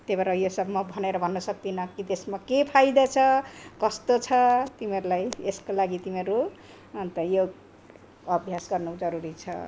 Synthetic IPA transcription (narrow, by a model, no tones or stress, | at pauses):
t̪ebʌɾʌjosʌbmʌbʱʌneɾʌbʱʌnːʌsʌk̚t̪inʌkit̪esmakepʰajd̪ʌt͡sʰʌkʌst̪ot͡sʰʌt̪imiʌɾulajeskolaɡit̪imeɾu | nt̪ʌjo | ʌbʱjasɡʌrnud͡zʌɾuɾit͡sʰʌ̰